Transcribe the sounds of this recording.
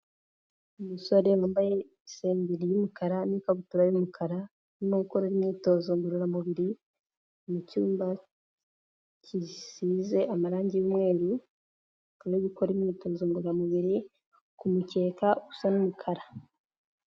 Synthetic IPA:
umusoɾewaːmbaje̞ | seːmbiɾijumukaɾanikaβutuɾajumukʰaɾa | nimoɡuko̞ɾeɾimɲiːto̞zoŋɡuɾuɾamuβiɾi | mucuːmba | cʰisize̞ʔamaɾaːɲɟijumŋe̞ːɾu | kuɾeβuko̞ɾimiːto̞ːzoŋɡuɾɾamuβiɾi | kumuce̞ːkausanumukʰaɾa

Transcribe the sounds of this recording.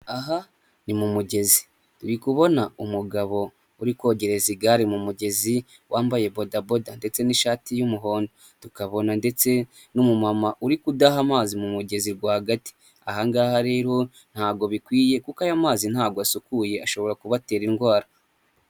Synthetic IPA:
aɦa | nimumuɟe̞zi | tuɾikuβo̞naumuɡaβo̞ | uɾiko̞ɟe̞ɾe̞ziɡaɾimumuɟe̞zi | wʔaːmbaje̞bo̞dabo̞dande̞t͡se̞niʃaːtijumuɦo̞ːndo | tukaβo̞nande̞t͡se̞ | numumamaʔuɾikudaɦamaːzimumuɟe̞ziɾɡwaːhaɡati̥ | ahaŋɡahaɾe̞ːɾo̞ | n̥haːɡo̞βikwiːje̞kukajamaːzin̥haːɡoasukuje̞aʃo̞βo̞ɾakuβate̞ːɾiŋɡwaːɾa

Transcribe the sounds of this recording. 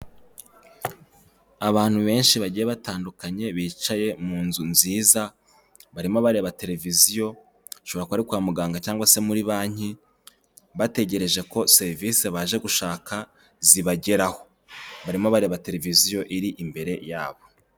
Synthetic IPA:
aβaːn̥huβe̞ːnʃiβaɟijeβataːndukaɲe̞βiːt͡ʃaje̞muːnzunziːza | βaɾimo̞βaɾe̞βate̞ɾe̞vizijo̞ | ʃo̞βo̞ɾakuaɾikwaːmuɡaːŋɡacaːŋɡwase̞muɾiβaːɲi | βate̞ɟe̞ɾe̞ʒe̞ko̞se̞ɾiviseβaːʒe̞ɡuʃaːka | ziβaɟe̞ɾaho̞ | βaɾimoβaɾe̞ːβate̞ɾe̞vizijo̞ʔiɾiʔimbe̞ɾe̞jaːβo̞

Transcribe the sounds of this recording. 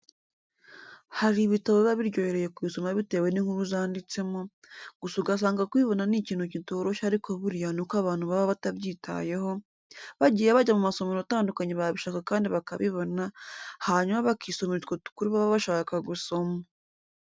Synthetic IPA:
haɾiβitaβoβaβiɾɟo̞jeɾe̞je̞kuiso̞maβite̞ːwe̞niŋhuɾuzaːndit͡se̞mo̞ | ɡusuɡas̬aːŋɡakwiːβo̞naniciːn̥hucitoɾo̞ʃaɾikʰo̞βuɾjanokaβaːn̥huβaβaβataβɟiːtʰa̰je̞ho̞ | βaɟiːjeβaɟamumaso̞monotaːndukaɲeβaβiʃakakaːndiβakaβiβo̞nahaɲumaβakʰiːso̞meɾitkotu̥kuɾiβaβaβaʃaːkaɡuso̞ma

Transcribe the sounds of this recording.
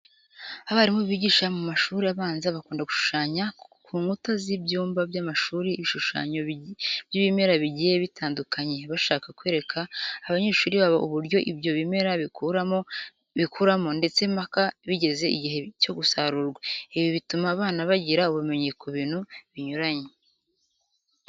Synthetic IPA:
aβaɾimoβiːɟiʃamumaʃuːɾiaβaːnzaβakuːndaɡuʃu̥ʃaːɲakʰuːŋɡutazibjuːmbabjamaʃuːɾiːβiʃuʃa̰ːɲobjiβime̞ɾaβiɟije̞βitʰaːndukʰaɲe̞βaʃaːkakweːɾe̞kʰaːβaɲe̞ʃuːɾiβaβaʔuβuɾɟo̞ʔibjo̞βimeɾaɾo | βikʰuɾamo̞nde̞t͡se̞makaβiɟe̞ze̞iɟiɦe̞co̞ɡusaɾuɾɡwaiβjoβitumaːβaːnaβaɟiɾauβume̞ɲe̞koβiːnuβiɲuɾaɲe

